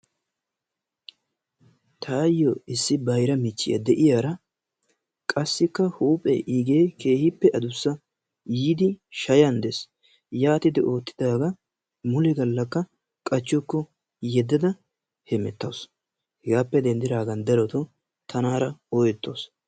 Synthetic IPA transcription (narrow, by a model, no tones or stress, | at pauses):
t̪ʰaːjːɔɪsːɪbɐjɾɐmɪt͡ʃːɪ̰jɐ̰d̪ɛʔɪjaːɾɐ | kʼɐsːɪkːɐhuːpʼɛ̰ʔiːɡe̞ːke̞ːhɪpːɛʔɐd̪ʊsːɐ | jiːd̪ɪʃɐjɐnd̪es | jaːt̪ɪd̪ɪʔo̞ːt̪ːɪd̪aːɡɐ | mʊlɪɡɐlːɐkːɐ | kʼɐt͡ʃːɔkːɔ | jɛd̪ːɐd̪ɐ | hɛmɛt̪ːɐ̰ws | hɛɡaːpːɛd̪ɛnd̪ɪɾaːɡɐnd̪ɛlɔt̪ɔ | t̪ʰɐnaːɾɐɔjɛt̪ːo̰ːs